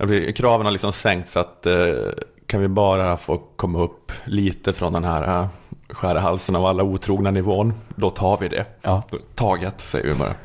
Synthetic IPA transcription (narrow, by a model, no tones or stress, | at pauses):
ablɪkʰɾɑːvənhaɾlɪksɔmsɛŋkt̪sat̪ | kʰanvɪbɑːɾafoːkʰɔmːaɵpːliːt̪əfɾɔnd̪ɛnɦæːɾaɧæːɾəɦalsənavalːauːt̪ʰɾuːɡnanɪvoːnd̪ɔt̪ʰɑːɾvɪd̪ɛ̰ː | ɑːɡət̪sɛ̰jə̰vɪ̰bɑ̰ːɾa̰